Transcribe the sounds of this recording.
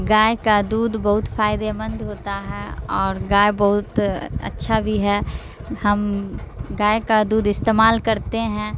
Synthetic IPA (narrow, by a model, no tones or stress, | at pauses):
ɡaːekad̪uːd̪bɐɦʊt̪faːɪd̪emə̃nd̪ɦoːt̪aɦɛɔːɾɡaːebɐɦʊt̪ɐ̰tːʃʰabʱiɦɛ | hɐm | ɡaːekad̪uːd̪ɪst̪eːmaːlkɐɾt̪eɦɛ̃ː